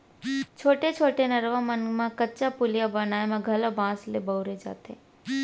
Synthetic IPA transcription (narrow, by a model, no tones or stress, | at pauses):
t͡ʃʰoːʈet͡ʃʰoːʈenɐɾʋãmənmãkətːt͡ʃapʊlijabɐnaːemãɡʱɐlabãːslebɐʊɾed͡ʒa̰ːt̪ẽ